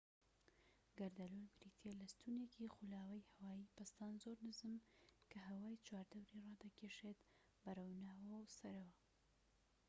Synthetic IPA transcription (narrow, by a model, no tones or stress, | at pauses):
ɡɐɾd̪ɐlulbɾit̪ʰelɐst̪unekʰixulaːwɐjhɐwaːjiːpɐst̪aːnzoɾnɨzɨmkʰɐɦɐwaːjt͡ʃʰwaːɾd̪ɐwɾirɑːd̪ɐkʰeʃet̪ | bɐrɨwnaːwɐwsɐɾɐwɐ